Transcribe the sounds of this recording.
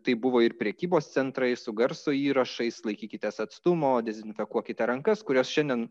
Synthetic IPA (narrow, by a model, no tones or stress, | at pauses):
t̪ɐɪbʊʋoːɪɾpʲɾʲɛkʲiːboːst̪sʲɛnt̪ɾɐɪsʊɡɐɾsoiːɾɐʃɐɪslˠɐɪkʲiːkʲɪt̪ʲɛsɐt̪st̪ʊmoːd̪ʲɛzʲɪnʲfʲɛkuɔkʲɪt̪ʲɛɾɐŋkɐskʊɾʲoːsʃʲɛnʲd̪ʲɛn